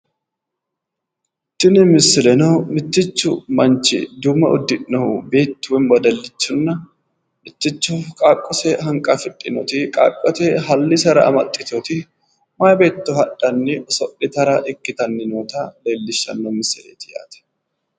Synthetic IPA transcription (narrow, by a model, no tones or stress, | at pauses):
t̪ːɪnɪmɪsːɪlɛnoːmɪt̪ːɪt͡ʃːʊ̰mɐnt͡ʃːɪ̰d̪ʊmɐ̰ʔɔd̪ːɪʔːɐbe̞ːt̪ːʊwɪnwɐd̪ɐlːɪt͡ʃːʊnːɐ | mɪt̪ːɪt͡ʃːʊfkʼaːkʼːɔsɛɦɐŋkʼɐfɪtʼːɪnɔt̪ɪkʼa̰ːkʼːɔt̪ɛɦɐlːɪsɐɾɐ̰ɐ̰mɐt̪ʼːɪt̪ot̪ɪ | maːjbeːt̪ːʊhɐᶑɐnːɪɔsɔʔːɪt̪ɐɾaːʔɪkʼːɪt̪ɐnːɪnoːt̪ale̞ːlːɪʃːɐ̰nːomɪsːɪlḛːt̪ɪja̰ːt̪ɛ̥